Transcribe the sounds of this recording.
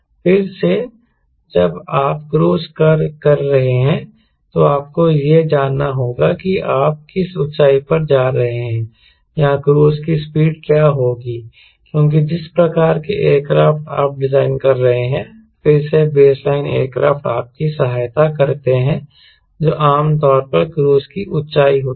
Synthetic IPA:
fɪɾse | d͡ʒɐbaːpkɾoːskɐɾkɐɾːɐɦeɦɛ̃ | t̪oaːp̚kojed͡ʒaːnːaɦoːɡakiaːp̚kɪsʊtt͡ʃaːipɐɾd͡ʒaːɾɐɦeɦɛ̃ː | jɐãkɾoːskispiːɖkjaːɦoːɡiː | kjõːk̬id͡ʒɪspɾɐkaːɾkeʔeːɾkɾaːfʈa̰ːp̚ɖɪzaːɪnkɐɾːɐɦeɦɛ̃ | fɪɾsebeːslaːɪnḛːɾkɾaːfʈa̰ːp̚kisɐɦaːjt̪akɐɾt̪eɦɛ̃ | d͡ʒoːʔaːmt̪ɔːɾpɐɾkɾoːskiʔʊtʃaːiɦoːt̪

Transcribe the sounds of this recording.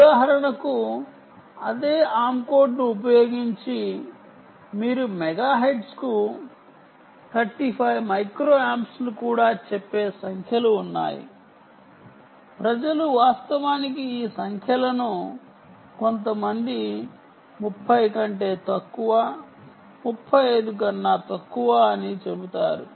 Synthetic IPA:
ud̪aːɦɐɾɐɳɐku | ɐd̪eːaːmko̞ːɾɖnuup̬ɐjo̞ːɡiɲt͡ʃi | miːɾumɛɡaːɦejɖsku | t̪ʰɐɾʈipʰɐjmɐjkɾoːaːmslukuːɽaːt͡ʃepːe̞ːsɐŋkʰjɐluːnːa̰ːjḭ | pɾɐd͡ʒɐluʋaːst̪ɐʋaːnik̬iiːsɐŋkʰjɐlɐnu | ko̞nt̪̬ɐmɐnd̪i | mupʰːɐjkɐɳʈe̞ːt̪ɐkːuʋaː | mupʰːɐjɐjd̪uk̬ɐnːaːt̪ɐkːuʋaːnit͡ʃe̞but̪aːɾṵ

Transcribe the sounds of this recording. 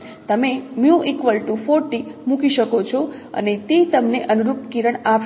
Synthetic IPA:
t̪əmemjũʔikʋəlʈufoɾʈimũkiʃəkot͡ʃʰoə̰net̪et̪əmneʔənuɾup̚kiɾəɳap

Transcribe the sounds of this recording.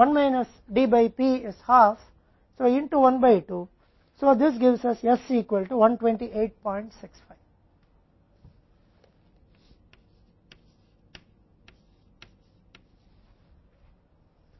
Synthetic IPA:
ʋʌ̃nmaɪnɐs | ɖiːbaɪpiːɪz̥haːf | soːɪ̃ɳʈuʋʌ̃nbaɪʈuː | soːd̪ɪs̬ɡɪʋsʌsɛsiːkʋəlʈuʋʌ̃nʈʋẽɳʈiʔeːʈ̚pɔ̃ɪɳʈsɪksfaɪʋ

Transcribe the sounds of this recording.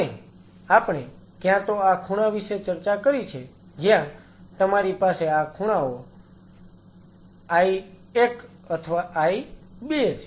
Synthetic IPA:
e | apɳ̃e | kjãt̪oakʰuɽ̃aʋiʃet͡ʃəɾt͡ʃakəɾit͡ʃʰe | d͡ʒjã | t̪əmaɾipaseakʰuɽ̃ao | ai | ek | ət̪ʰəʋaʔaiɓeet͡ʃʰe

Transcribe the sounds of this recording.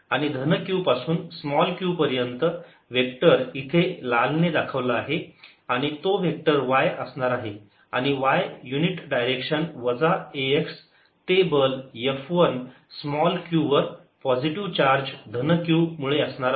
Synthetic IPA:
aɽ̃id̪ʱənəkjuːpasuːnsmɔlkjupəɾjənt̪ə | ʋek̚ʈəɾit̪ʰelalned̪akʰəʋlaːɦe | aɽ̃it̪oʋek̚ʈəɾʋajəsɳaɾaɦe | a̰ɽ̃iʋajjuniʈɖajɾekʂənʋəd͡zaeeks | tebəljefʋən | smɔlkjuʋəɾ | pɔd͡ʑiʈiʋt͡ɕaɾd͡ʑd̪ʱənəkjumuɭeəsɳaɾ

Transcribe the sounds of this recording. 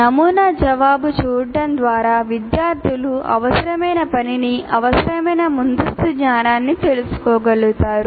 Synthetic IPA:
nɐmuːnaːd͡ʒɐʋaːbut͡ʃuːɖɐnd̪ʋaːɾaːʋid̪jaːɾt̪ʰiluɐ̰ʋɐsɐɾɐmɐjnɐpɐniniɐʋɐsɐɾɐmɐjnɐmund̪ust̪uɡɲaːnaːnːit̪e̞lusu̥kɔːɡɐɭut̪aːɾu

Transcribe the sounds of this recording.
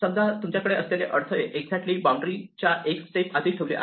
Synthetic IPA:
səmd̪ʱat̪umt͡ɕjakəɽeʔəsleleʔəɾt̪ʰəeʔeɡd͡zʱɛk̚ʈliːbaw̃ɳɖɾit͡ɕjaʔeksʈepad̪ʱiːk̚ʈʰəʋlḭʔa̰

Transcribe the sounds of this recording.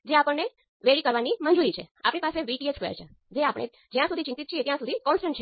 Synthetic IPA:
d͡ʒeapəɳːe | ʋeɭikəɾʋanimənd͡ʒuɾit͡ʃʰea̰pɽ̃ipaseʋiʈieskəjḛt͡ʃʰe | d͡ʒeapəɳ̃ʔḛ | d͡ʒjãsud̪ʱit͡ʃint̪it̪ːt͡ʃʰiet̪jãsud̪ʱikɔnsʈəɳʈt͡ʃʰ

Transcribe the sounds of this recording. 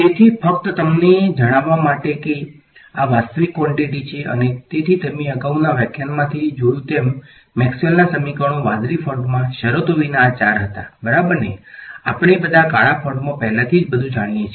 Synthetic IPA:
t̪et̪ʰifək̚t̪ət̪əmned͡ʒəɽ̃aʋːamaʈeke | aʋast̪əʋikːʋɔɳʈiʈit͡ʃʰeʔə̰net̪et̪ʰit̪emeəɡaunaʋɛkjanmãt̪ʰid͡ʒojũt̪emː | ɛksəlnasəmikəɽ̃õʋad̪ɾifəɾɖmãʃəɾot̪oʋinaːt͡ʃaɾɦət̪a̰bəɾabəɾnea̰pɳ̃ebəd̪ʱakaɭapʰəɳɖmõpəɦlãt̪ʰid͡ʒbəd̪ʱũd͡ʒaɽ̃ijet͡ʃʰe

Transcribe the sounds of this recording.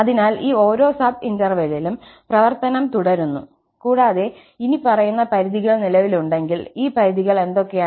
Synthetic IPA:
ɐðinaːliːo̞ːɾo̞ːsaːpindɐrʋelilumprɐʋɐrt̪ɐnɐmt̪uɽɐɾunːṵ | kuːɽaːðe̞ | inipɐrɐjunːɐpɐɾiðiɣɐɭnilɐʋiluɳɖe̞ŋɡiliːpɐɾiðiɣɐɭe̞nd̪o̞kːe̞jaː

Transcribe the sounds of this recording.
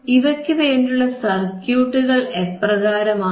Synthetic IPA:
iʋɐkʲːɨʋeːɳɖuɭːɐsɐrkjuːʈːuɣɐɭepːrɐɣaːɾɐmaː

